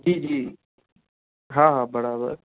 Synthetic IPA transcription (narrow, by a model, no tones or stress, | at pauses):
d͡ʒiːd͡ʒiː | ɦãːɦãːbəɽabə̰ɾ